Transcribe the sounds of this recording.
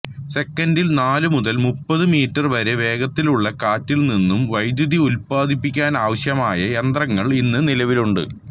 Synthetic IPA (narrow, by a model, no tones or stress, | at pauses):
se̞kːɐndilnaːlɨmuðɐlmupːɐðɨmiːtːɐrʋɐɾe̞ʋe̞ːɡɐt̪ːiluɭːɐkaːtːilninːumʋɐjd̪jɐðiulpaːd̪ʱipːikʲːaːnaːʋɐɕjɐmaːjɐjend̪rɐŋːɐɭinːɨnilɐʋiluɳɖɨ̰